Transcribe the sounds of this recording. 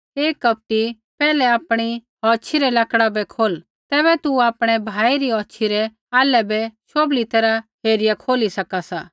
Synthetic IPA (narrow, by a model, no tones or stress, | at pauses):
eːkːɐp̚ʈi | pɛːlɛaːpɽ̃i | ɔːt͡ʃʰiɾɛlɐkɽabɛkʰoːl | t̪ɛːbɛt̪uaːpɽ̃ɛbʱaːiɾiɔːtːt͡ʃʰiɾɛ | aːlɛbɛʃoːblit̪ɐɾaɦeːɾɪjakʰoːlisɐkasaː